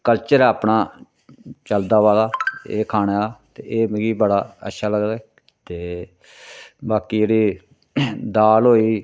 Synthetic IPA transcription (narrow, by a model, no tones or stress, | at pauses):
kəlt͡ʃəɾaːpnaː | t͡ʃəld̪aːʋaːlaːeːkʰaːnaːt̪eːʔeːmɡiːbəɽaːə̰tːʃʰaːləɡd̪aɛː | t̪eː | baːkiːd͡ʒeːɽiː | d̪aːlɦoːiː